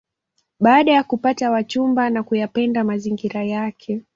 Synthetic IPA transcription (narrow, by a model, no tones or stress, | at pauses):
ɓaːɗajakupatawat͡ʃumbanakujapɛndamaziŋɡiɾajakʰɛ